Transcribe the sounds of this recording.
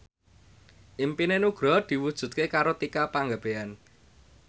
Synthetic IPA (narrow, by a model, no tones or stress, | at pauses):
ʔimpinenuɡ̥ɾɔ̤d̪̥i̤wud̥ʒ̥ṳt̪̚kekaɾot̪ikapaŋɡab̥ean